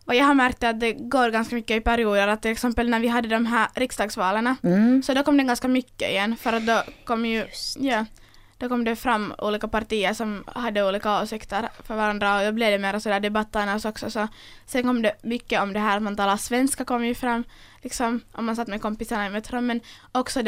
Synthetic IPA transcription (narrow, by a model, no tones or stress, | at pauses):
ɔjɑːɡɦaɾmæɾk̚t̪əat̪̚d̪ɛɡoːɾɡanskamʏkːəɪpæɾɪuːd̪əɾat̪ːɪlɛksɛmpəlnæɾvɪɦad̪ːəd̪ɔmɦæːɾɾɪksd̪ɑːɡsvɑːləɳasɔd̪ɔkʰɔmːd̪ɛɡanskamʏkːə̰ɪ̰jɛnːfœɾat̪̚d̪ɔkʰɔmːjɵjɑː | d̪̥ɔkʰɔmːd̪ɛfɾamːṵːliːkapaɾʈiːəɾʂɔmhad̪ːəuːliːkaoːsɪkt̪əɾfœɾvaɾand̪ɾaɔd̪ɔblɪvd̪ɛmeːɾasɔd̪æːɖ̪ɛbat̪ːəɳaɔsɔksɔsɔ | sɛnkʰɔmːd̪ɛmʏkːəɔmd̪ɛɦæːɾat̪mant̪ʰɑːlasvɛnskakɔmːjɵfɾamː | lɪksɔmʔɔ̰mːansat̪ːmɛkʰɔmpɪsaɳaɪmɛt̪ʰːɾɔmːɛn | ɔksɔd̪